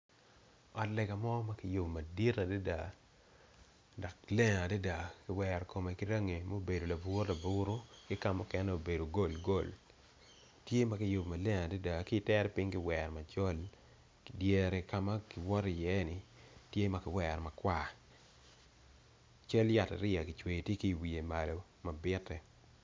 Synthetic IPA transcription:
ɔ˨tlɛ˨ɡa˨mɔ˦ma˦kɪ˨jo˨bmɐ˨di˦ɾa˨da˦da˨ | dɔ˨klɛ˦ŋa˨da˦da˨kɪ˨wɛ˨ɾko˨me˨kɪ˦ɾa˦ŋe˨mo˦˨be˨do˨la˨bʊ˦ɾla˨bʊ˦ɾo˦kɪ˦ka˦mɔ˦kɛ˦nɛ˦o˨be˨do˨ɡo˦˨lɡo˦˨l | tje˦ma˨kɪ˨jo˨bmɐ˨lɛ˦ŋa˨da˦da˨kɪ˦tɛ˦ɾɛ˦pɪ˦ŋkɪ˦wɛ˨ɾma˨t͡ʃɔ˦l | ki˨dje˨ɾɛ˨ka˨˦ma˦kɪ˨wɔ˦ɾi˨jɛ˦nɪ˨tje˦ma˨kɪ˨wɛ˨ɾma˨kwa˦ | t͡ʃa˦lja˨ta̰˨ɾɪ˦a˨kɪ˨t͡ʃwe˨tje˦ki˦˨wi˨e˨ma˨lo˨ | ma˨bɪ˦tːɛ˨

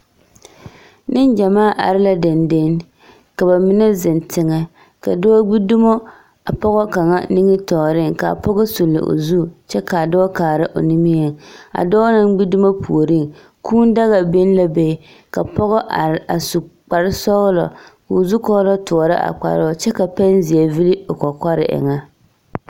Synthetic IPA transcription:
nɪ˦nd͡ʒa˨maː˦˨ʔa̰˨ɾɪ˦la˦dɪ˨nde˦n | ka˨ba˨mɪ˦nɛ˦zɪ˨ntɪ˨ŋɛ˦ | ka̰˨dɔː˦ɡ͡bi˦du˦mo˦ | a˨pɔ˦ɣɔ˦ka˨ŋa̰˦nɪ˦ŋɪ˦tɔː˨ɾɪ˦ŋka̰˨pɔ˦ɣɔ˦su˨lːɪ̰˨ʔo̰˨zu˦˨t͡ʃɛ˦ka˨dɔː˦kaː˨ɾɪ˦ʔo̰˨ni˦mi˦ɛ˨a̰˨dɔː˦na˦ŋɡ͡bi˦du˦ma˦pʰu˨o˨ɾi˦ŋ | kʰuː˦n˦da˦ɣa˨bɪ˦n˦la˦be˨ | ka˨pɔ˦ɣɔ˦ʔa˨a˨su˨k͡pa˨ɾɪ˦sɔ˦ɣlɔ̰˨kːzu˦kɔ˦lɔ˦tʊ˨ɾa̰˦ʔa̰˨k͡pa̰˨ɾɪ˦˨t͡ʃɛ˦ka˨pa˦n˦zi˨a˨vi˦lɪ˦o˨kɔ˨ka˦ɾɪ̰˨ʔɪ̰˨ŋa˦

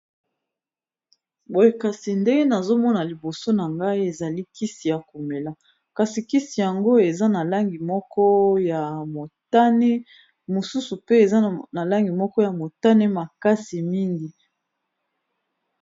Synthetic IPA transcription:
bo˨je˦ka˨si˨nde˦ŋɡe˦na˨zo˦mɔ˦na˨li˨bo˨so˦na˨ŋɡa˦i˦e˨za˨li˦ki˦si˨ja˨ku˨me˨la˨ | ka˨si˨ki˦si˨ja˨ŋɡo˦e˨za˦na˨la˦ŋɡi˨mɔ˦kɔ˦ja˨mo˨ta˦ne˦ | mo˨su˦su˨pe˦e˨za˦na˨la˦ŋɡi˨mɔ˦kɔ˦ja˨mo˨ta˦ne˦ma˨ka˦si˨mi˦ŋɡi˨

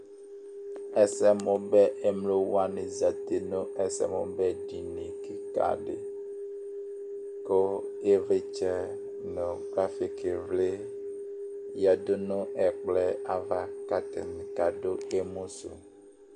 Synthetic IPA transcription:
ɛ˦sɛ˦mɔ̃˨bɛ˦ʔɛ˦mlo˦wa˦nẽ˨za˨t̪e˨nõ˦ɛ˨sɛ̰˦˨mɔ̰̃˨bɛ˦ɖi˨nĩ˨ki˨ka̰˦˨ɖḛ˨ | ko˦ | e˦ve˦t͡ʃɛ˦ | nɔ̃˨ɡɾa˦fi˨ke˨vle˦ | ja˨do˦nɔ̃˦ʔɛ˨k͡plɛ˦a˨va˦ka˦t̪ɛ̰˨n˨ka˨ɖo˦e˦mõ˦so̰˨

